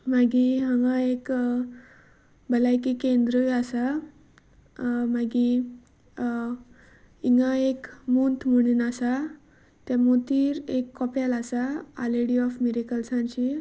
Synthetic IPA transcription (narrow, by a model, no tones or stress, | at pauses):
maɡiɦãŋɡaek | bəlajkikẽnd̪ɾəjasa | maɡi | iŋɡaekmunt̪m̤əɽ̃unasa | t̪amot̪iːɾekːɔpjalasaa̰leɽiɔfmiɾikəlsãɲt͡ɕi